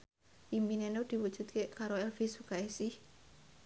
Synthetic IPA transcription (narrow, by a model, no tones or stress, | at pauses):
ʔimbinenod̪̥i̤wud̥ʒ̥ṳt̪̚kekaɾoɛlfisukaesɪh